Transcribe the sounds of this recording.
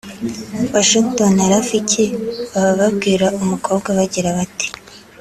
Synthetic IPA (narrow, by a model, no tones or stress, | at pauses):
waʃiŋktonaɾaficeβaβaβabɡiːɾaʔumukʰo̞ːbɡaβaɟiɾaβati̥